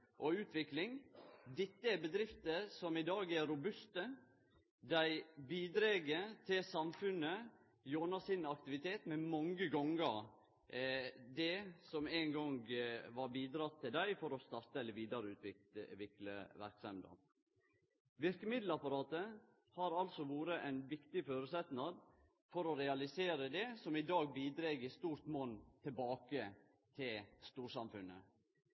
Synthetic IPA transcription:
ʔɔʉːt̪ʰʋɪklɪŋd̪ɪt̪ːəæɾbəd̪ɾɪft̪əsɔmɪd̪ɑːɡæɾʊbʉst̪ə | d̪æɪbiːd̪ɾeːɡət̪ʰɪlsɑmfʉnə | joːnɑsɪnɑk̚t̪ɪʋɪt̪ʰeːt̪mɛmɑŋɡəɡɔŋɡəɾ | d̪ɛsɔmeŋɡɔŋɡʋɑɾbiːd̪ɾɑt̪ʰːɪld̪æɪfɔɾɔst̪ɑɾt̪əɛlːəʋiːd̪ɑɾəʉːt̪ʰʋɪkləʋɪklə̰ʋæɾksɑmd̪ɑ̰ | ʋɪɾkəmɪd̪l̩ɑpɑɾɑːt̪ə | hɑɾɑlsɔʋuːɾəʔæɪnʋɪkt̪ɪføːɾʉsɛt̪nɑd̪ | fɔɾɔɾɛɑlɪseːɾəd̪ɛsɔmɪd̪ɑːɡ̚biːd̪ɾeːɡəst̪uːɾt̪moːnt̪ʰɪlbɑːkə | t̪ʰɪlst̪uːʂɑmfʉnə

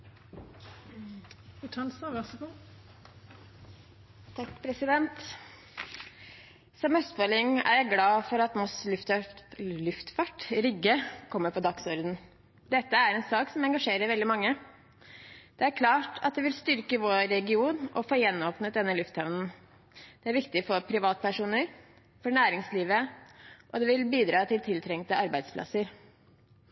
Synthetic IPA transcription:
ɪt̪ʰɑlsɑʋɑsəku | t̪ʰɑkːpʰɾɛsɪd̪ɛnt̪ | sɔmœst̪pølɪŋːæ̰ɾjæɪɡlɑːfɔɾɑt̪mɔs | lʉft̪fɑʈɾʏɡəkʰɔmːəɾpʰɔd̪ɑksɔɾd̪n̩ | d̪ɛt̪ːəæɾɛnsɑːksɔmɛŋɡɑʂeːɾəɾʋɛld̪ɪmɑŋːə | d̪̥ɛæɾkʰlɑːʈʰɑ̰t̪̚d̪ɛʋɪlst̪ʏɾkəʋoːɾːɛɡɪuːnʔɔ̰foːjɛnːoːpnət̪̚d̪ɛnːəlʉft̪hɑʋnn̩ | d̪̥ɛæɾʋɪkt̪ɪfɔɾpʰɾɪʋɑːt̪ə̥pʰæʂuːnəɾ | fɔɳæːɾɪŋsliːʋəʔɔd̪ɛʋɪlbiːd̪ɾɑːt̪ʰɪlt̪ʰɪlt̪ʰɾɛŋt̪əɑɾbæɪd̪spʰlɑ̰səɾ

